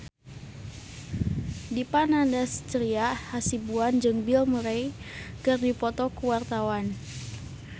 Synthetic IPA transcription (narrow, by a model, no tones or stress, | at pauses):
dipanandast͡ʃɾiahasibuand͡ʒɨŋbilməɾejkɨrdipɔt̪ɔkuwart̪awan